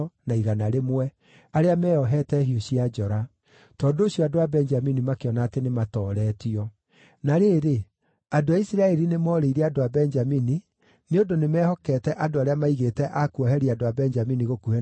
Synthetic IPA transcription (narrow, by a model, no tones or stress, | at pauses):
naiɣanaɾemwɛ | aɾeamɛːɔɦɛtɛhioɕiad͡ʒɔɾa | tɔːndooɕjɔadoabɛnd͡ʒaminimakeɔnaːtenematɔːɾɛːtiɔ | naɾeːɾe | adoaisiɾaɛɾinemɔɾeiɾɛadoabɛɲd͡ʒamini | neondonemɛːhɔkɛːtɛʔadoaɾeamaiɣetɛʔakuɔɦɛɾiadoabɛɲd͡ʒaminiɣokuɛ